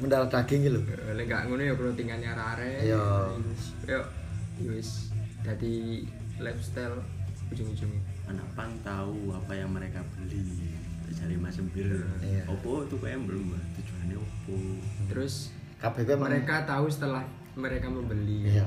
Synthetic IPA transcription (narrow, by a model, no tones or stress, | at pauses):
məndaɾat̪aɡiŋilulɛŋɡa̰ʔŋunejɔkəlot̪iŋanaɾaɾɛjo | jɔʔiwɪsd̪̥a̤d̪i | lɛfst̪ɛl | ud͡ʒuŋud͡ʒuŋana̰ʔpant̪auapajaŋməɾekab̥əli | t̪aʔd͡ʒ̥aɾimasəmbɪrjaɔb̥ɔt̪ukajaŋbəlumbat̪u̥d͡ʒ̥uɦaneɔb̥ɔt̪əɾʊs | kab̥ɛkɛməɾekat̪aus̬ə̥t̪əlah | məɾekaməmbəlija